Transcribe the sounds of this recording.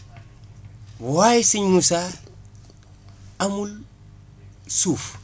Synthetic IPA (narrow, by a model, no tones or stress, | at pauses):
wajisiɲːusa | amul | suːf